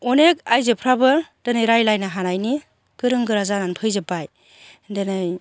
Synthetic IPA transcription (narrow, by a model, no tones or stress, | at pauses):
ɔnek̚ajzepʰɾabɯd̥ɯnɯjɾajlajnaɦanajni | kɯɾɯŋɡɯɾazananpʰɯjzɯpaj | denɯj